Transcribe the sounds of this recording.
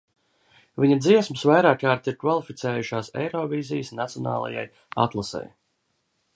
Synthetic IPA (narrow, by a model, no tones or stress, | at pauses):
viɲad̪ziɛsmɨsvajɾaːkaːɾt̪iɾkvalˠifit̪sɛːjuʃaːsɛ̰jɾɔːviːzijsnat̪siɔna̰ːlˠa̰ja̰j | a̰t̪lˠasɛ̰j